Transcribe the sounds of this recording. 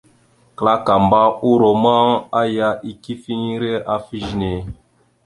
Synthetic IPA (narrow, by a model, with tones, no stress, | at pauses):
kla˦ka˨m˨ba˦u˦ɾo˨m˦a˦ŋa˦ja˦ʔi˦ki˦fi˦ɲ˦ɾe˦ʔa˦fi˦ʒne˨